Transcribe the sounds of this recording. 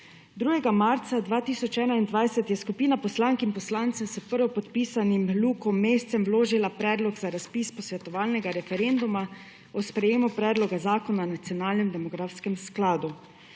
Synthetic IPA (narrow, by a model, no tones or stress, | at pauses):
d̪ɾuːɡɛɡamaːɾt̪sad̪ʋaːt̪iːsɔt͡ʃɛːnaind̪ʋajsɛt̪jɛskupiːnapɔslaːŋkimpɔslaːnt̪sɛmsəpəɾʋɔpɔt̪piːsanimluːkɔmːeːst̪sɛmʋloːʒilapɾɛːd̪lɔɡzaɾaspiːspɔsʋɛt̪ɔʋaːlnɛɡaɾɛfɛɾend̪uma | ɔspɾɛjeːmupɾɛːd̪lɔɡazaːkɔnanat̪sjɔnaːlnɛmd̪ɛmɔɡɾafskɛmsklaːd̪u